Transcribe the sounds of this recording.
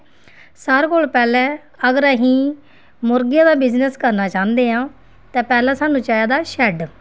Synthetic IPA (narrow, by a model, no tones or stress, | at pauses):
saːɾkoːlpɛːlɛː | əɡəɾaɦĩː | mʊɾɡɪjãːd̪aːbɪznəskəɾnaːt͡ʃãːnd̪eːãː | t̪ɛ̃ːpɛːlɛ̃ːsaːnũːt͡ʃaːjaːd̪aːʃɛːɖ